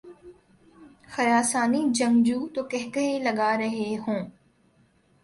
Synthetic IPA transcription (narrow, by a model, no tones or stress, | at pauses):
xɐɾaːsaːnid͡ʒɐ̃ŋɡd͡ʒuːt̪oːkɛɦkɐɦelɐɡaːɾɐɦeɦõː